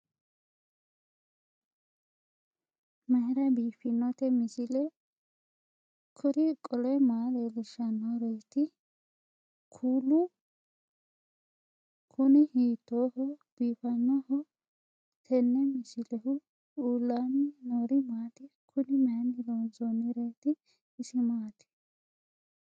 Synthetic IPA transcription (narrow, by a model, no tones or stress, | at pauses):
mɐhɪɾɐbiːfɪnːɔt̪ɛmɪsɪlɛ | kʰʊɾɪkʼɔlɛmaːd̪ɛlɪʃɐnːɔɾɔjt̪ɪ | kʰuːlʊ | kʰʊnɪhiːt̪ːoːɦɔb̥iːfɐnːɔɦɔ | t̪ʰɛnːɛmɪsɪlɛhʊ | uːlːamɪnoːɾɪmaːt̪ɪkʰʊnɪmɛɐnɪloːnzɔnːɪɾeːt̪ɪː | sɪmaːt̪ɪ̥